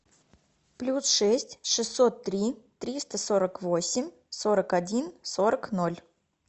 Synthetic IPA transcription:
plʲusʂɛsʲtʲʂɨsːo̞t̪ːɾʲit̪ɾʲist̪əsoɾəkvo̞sʲɪmʲ | so̞ɾəkɐdʲinso̞ɾəkno̞lʲ

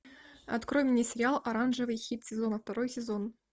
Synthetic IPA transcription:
ɐ̰t̪kɾojʲɪnʲːɪsʲɪɾʲɪalˠʔɐɾanʐɨvɨjxʲit̪sʲɪzo̞nəft̪ɐɾo̞jsʲɪzo̞n

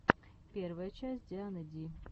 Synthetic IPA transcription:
pʲervəjət͡ɕæsʲtʲd̪ʲanəd̪ʲi

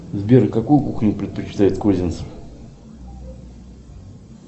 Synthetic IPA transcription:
zbʲeɾkɐkujʊkuxnʲʊpɾʲɪt̪̚pət͡ɕɪ̥t̪ajɪt̪kozʲɪnt̪səf

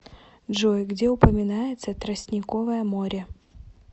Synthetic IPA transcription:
ʐojɡdʲeɛʊpəmʲɪnajɪt̪sət̪ɾɐsʲnʲɪkovəjəmoɾʲə

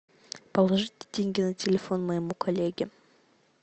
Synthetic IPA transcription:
pɐlˠɐʐɨt̪ʲɪ̥d̪ʲeŋʲɡʲinɨtʲelʲefonmɐjmukʰolʲːeɡʲɪ

